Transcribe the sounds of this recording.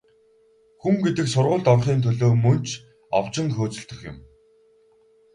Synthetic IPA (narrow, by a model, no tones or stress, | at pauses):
xuŋɡet̪ɘ̆ksʊɾʁʊːɮt̪ɔrχiːnt̪ʰɵɮoːmɵnt͡ɕʰ | a̰w̥t͡ɕɪ̆ŋxoːt͡sɵ̆ɬt̪ɘ̆xjɪ̰̆m